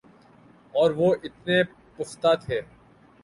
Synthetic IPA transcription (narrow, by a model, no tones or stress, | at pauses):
ɔːɾʋoːʔɪt̪ne | pʊxt̪aːt̪ʰeː